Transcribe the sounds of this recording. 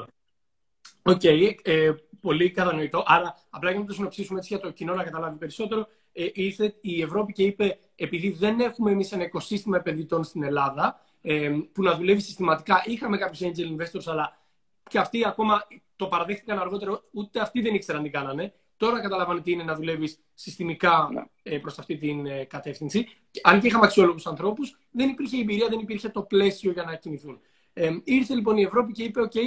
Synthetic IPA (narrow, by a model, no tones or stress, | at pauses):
o̞ce̞jepo̞likɐt̪ɐno̞it̪o̞ʔɐɾɐːplɐʝɐnɐt̪osino̞psisumeet͡siʝɐt̪ocino̞nɐkɐt̪ɐlɐvipe̞ɾiso̞t̪e̞ɾo̞ | eiθeie̞vɾo̞pice̞ipe̞ː | piðiðe̞ne̞xumeːmise̞nɐiko̞sist̪imɐepe̞nðit̪o̞nst̪ine̞lɐðɐ | epunɐðule̞visi̥st̪imɐt̪ikɐʔixɐme̞kɐpço̞send͡ʒelinve̞st̪o̞ɾsɐlɐ | ceɐft̪iɐko̞mɐt̪o̞pɐɾɐðext̪ikɐnɐɾɣo̞t̪e̞ɾout̪e̞ɐft̪iðe̞nikseɾɐnd̪iɡɐnɐne̞ | t̪o̞ɾɐkɐt̪ɐlɐvɐnot̪iine̞nɐðule̞visːist̪imikɐ | pɾo̞stɐft̪it̪inkɐt̪e̞fθinsi | ɐnceixɐmɐksio̞lo̞ɣusɐnθɾo̞pus | ðe̞nipiɾçe̞ːbiɾiɐðe̞nipiɾçe̞t̪o̞ple̞sio̞ʝɐnɐciniθun | iɾθe̞lipo̞nie̞vɾo̞p̬ice̞ipe̞o̞ce̞j